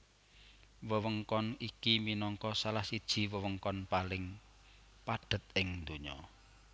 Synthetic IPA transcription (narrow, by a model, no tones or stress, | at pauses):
wəwəŋkɔnikiminɔŋkɔsalahsid̥ʒ̥i̤wəwəŋkɔnpalɪŋ | paɖ̥ə̤t̪̚ɪŋd̪uɲɔ̰